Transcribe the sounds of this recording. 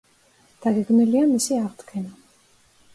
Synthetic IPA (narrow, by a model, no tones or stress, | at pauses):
d̪̥aɡɛɡvniliamisiaʁd̪ɡʰɛna